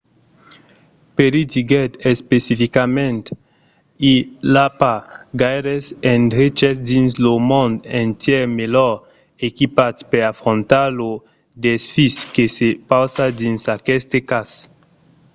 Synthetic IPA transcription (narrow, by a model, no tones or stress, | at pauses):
peɾit̪iɡɛt̪ɛspesifikamɛ̃nt̪ | ilapaɡajɾɛsɛ̃ndɾit͡ʃɛsd̪ĩnslomɔ̃nd̪ɛ̃nt̪jɛmelɔ | ekipat̪peɾafɾɔ̃nt̪alo | d̪ɛsfiskesepawsad̪ĩnsakɛst̪ekas